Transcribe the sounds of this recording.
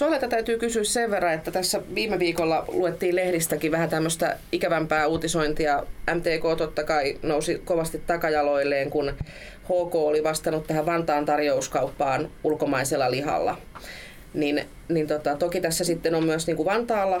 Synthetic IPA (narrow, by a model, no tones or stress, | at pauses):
soɑleit̪ɑt̪æyt̪yːkysyːsseʋʋerːɑet̪ːæt̪æsːæʋiːmeʋiːkolːɑluet̪ːiːlehɾist̪ækiʋæhæt̪æmːøst̪æ̰ikæʋæmpæːuːt̪isoint̪iɑæmt̪eːkoːt̪ot̪ːɑkɑinousikoʋɑst̪it̪t̪ɑkɑjɑloilːeːŋkun | hoːkoːoliʋɑst̪ɑnut̪t̪æhæʋʋɑnt̪ɑːnt̪ɑrjouskɑupːɑːnulkomɑiselːɑlihɑ̰lːɑ̰ | nin | nint̪ot̪ɑt̪okit̪æsːæsit̪ːenommyæsniːŋkuʋɑnt̪ɑːlːɑ